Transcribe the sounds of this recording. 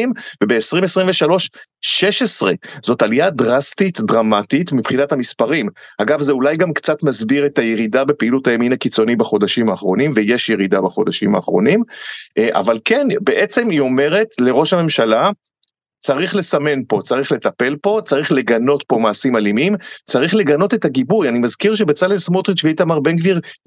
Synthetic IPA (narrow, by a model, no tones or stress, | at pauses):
imvebe̞ːsʁimesʁimveʃalo̞ʃʃe̞ʃe̞sʁe̞z̥o̞taliadʁastitdʁamatitmipχinathamispaʁimaɡavzeulajɡamkt͡satmazbiʁe̞tajeʁidabe̞peilutajeminakit͡so̞nibaχo̞daʃimaːχʁo̞nimvejeʃjeʁidabaχo̞daʃimaːχʁo̞̰nimʔa̰valke̞nbe̞ʔet͡se̞mio̞me̞ʁe̞tle̞ʁo̞ʃhame̞mʃala | t͡saʁiχle̞same̞npo̞t͡saʁiχle̞tape̞lpo̞t͡saʁiχle̞ɡano̞tpo̞maːsimalimimt͡saʁiχle̞ɡano̞tetaɡibujanimazkiʁʃ̬ebet͡salesmotʁit͡ʃvet̪amaʁbeŋkviʁ